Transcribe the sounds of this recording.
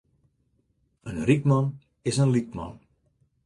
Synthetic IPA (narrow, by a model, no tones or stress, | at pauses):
ənrikmɑn | ɪsənlik̚mɑ̰n